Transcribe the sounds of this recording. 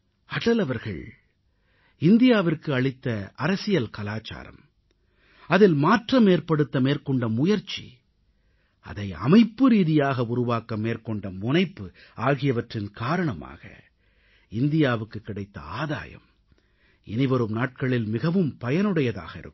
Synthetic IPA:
ɐʈɐlɐʋɐɾɣɐ̰ɭ | ɪnd̪ɪjaːʋɪrkɯɐɭɪt̪ːɐɐɾɐsɪjɐlkɐlaːt͡ʃa̰ːɾɐ̰m | ɐðɪlmaːʈrɐmeːɾpɐɽɯt̪ːɐmeːrkɔɳɖɐmʊjɐɾt͡ʃːḭ | ʔɐ̰ðɐɪɐ̰mɐɪpːɯɾiːðɪjaːɣɐʊɾʊʋaːkɐmːeːrkɔɳɖɐmʊnɐɪpːɯaːɣɪjɐʋɐʈrɪnkaːɾɐɳɐma̰ːɣɐ̰ | ɪnd̪ɪjaːʋɯkːɯkːɪɽɐɪt̪ːɐ̰a̰ːða̰ːjɐ̰m | ɛnɪʋɐɾɯmnaːʈ̚kɐɭɪlmɪɣɐʋɯmpɐjɐnɯɽɐjɐða̰ːɣɐɪ̰ɾɯ̰kːɯ

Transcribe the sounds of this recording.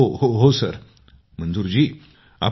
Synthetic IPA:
ohoɦosəɾ | m̤ənd͡zuɾd͡ʑiː | a̰

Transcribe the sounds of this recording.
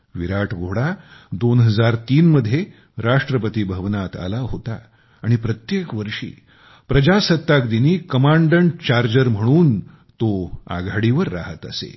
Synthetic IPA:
ʋiɾaʈʰɡʱoɽad̪onɦəd͡zaɾt̪iːnməd̪ʱːje | ɾaʂʈɾəpət̪iːbʱəʋnat̪a̰laɦot̪a̰ | aɽ̃ipɾət̪jekʋəɾʂḭː | pɾəd͡ʑasət̪ːakd̪iniːkəmaɳɖəɳʈt͡ɕaɾd͡ʑəɾm̤əɽ̃uːn | t̪oa̰ɡʱaɽiʋəɾːa̰ɦət̪ə̰sḛ

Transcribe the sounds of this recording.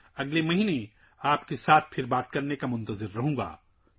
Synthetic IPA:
ɐɡlemɐɦiːne | aːpkesaːt̪̚ʰpʰɪɾbaːt̪kɐɾnekamʊ̃nt̪əzɪɾːɐɦõːɡa̰ː

